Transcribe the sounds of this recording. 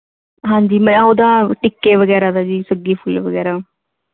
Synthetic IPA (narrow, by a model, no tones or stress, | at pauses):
ɦãːɲd͡ʒiːmɛ̃oːd̪aːʈɪkːeːʋəɡɛːɾaːd̪aːd͡ʒiːsəɡiːpʰʊlʋəɡɛːɾaː